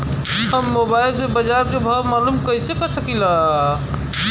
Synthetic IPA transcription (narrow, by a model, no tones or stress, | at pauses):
həmːobailsebəd͡ʒaɾkebʱəmalumkəisekɔsəkila